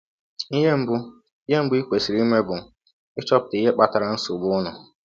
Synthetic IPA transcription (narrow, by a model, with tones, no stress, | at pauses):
i˦ɦe˦m̩˦bʊ˦ | i˦ɦe˦m̩˦bʊ˦i˦kʷe˨si˨ɾi˦me˦bʊ˨ | ɪ˦t͡ʃɔ˦pʊ˨ti˦ɦe˦k͡pa˦˨ta˨ɾa˦n̩˦sʊ˨bʊ˦ʊ˦nʊ˨